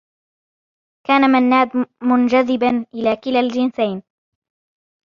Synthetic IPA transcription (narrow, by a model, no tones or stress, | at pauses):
kaːnamanːaːd̪mʊnd͡ʒaðɪbanʔɪlaːkɪlald͡ʒɪnsajn